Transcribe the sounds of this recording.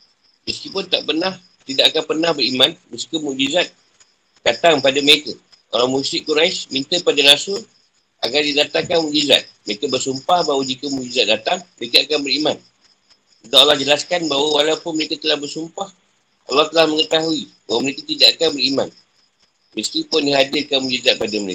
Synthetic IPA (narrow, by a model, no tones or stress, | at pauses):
məskipʊnt̪aʔpənah | t̪idaʔakanpərnahbəɾimãnməskəmuʔd͡ʒizat̪̚ | d̥at̪aŋpadaməɾekə | o̰ɾaŋmusɪʔkuɾajsmint̪əpadaɾasəl | ʔa̰ɡardidat̪aŋkanmũʔd͡ʒiza̰t̪̚məɾekabərsumpahbaɦwad͡ʒikəmuʔd͡ʒizat̪̚dat̪aŋməɾekaakanbəɾiman | sut̪aolahd͡ʒəlaskanbaɦwəwalawpʊnməɾekat̪əlahbərsumpah | ʔa̰laht̪əlahməŋət̪aɦuibawəməɾekat̪idaʔakanbəɾima̰n | məskipʊndiɦadɪrkanmuʔd͡ʒizat̪̚padəməɾek